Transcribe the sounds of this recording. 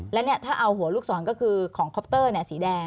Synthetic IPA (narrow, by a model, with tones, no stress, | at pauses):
lɛ˦˥wni˥˩ɐt̪ʰaː˥˩ʔa˧wɦu˩˦ɐluː˥˩k̚sɔː˩˦nkɔː˥˩kʰɯː˧kʰɔː˩˦ŋkʰɔ˦˥p̚t̪ɤː˥˩ni˥˩˨siː˩˦dɛː˧